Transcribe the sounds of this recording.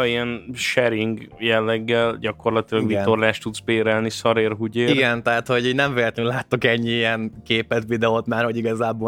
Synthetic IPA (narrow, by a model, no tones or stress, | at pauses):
iɛnʃɛɾiŋɡjɛlːɛɡːɛlɟɒko̞rlɒt̪ilɒɡvit̪ːorlaːʃt̪ud̪t̪sbeːɾɛlnisɒɾeːrɦuɟeːiiɡɛnt̪ɛɦat̪ho̞ɟiːɟnɛɱveːlɛt̪lɛnynlaːt̪ːokɛɲːiijɛnkeːpɛt̪vid̪ɛot̪maːrho̞ɟiɡɒzaːboː